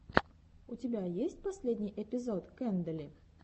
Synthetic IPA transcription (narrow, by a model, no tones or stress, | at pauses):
ut͡sʲɪbʲajesʲt͡sʲpasʲlʲed̪ʲnʲijʔɛpʲizɔt̪kɛnd̪əlʲi